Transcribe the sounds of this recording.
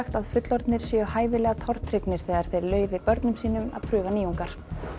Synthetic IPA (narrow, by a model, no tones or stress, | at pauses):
xt̪aðfʏt̪lɔɾt̪nɪɾ̥sjɛːʏhaːjvɪlɛːɣat̪ʰɔɾ̥t̪ʰɾɪknɪɾ̥θɛːðaɾ̥θejɾlœːɥvɪɾpœɾt̪nʏmsiːnʏma̰ðpʰɾʏːɣaniːuŋkaɾ̥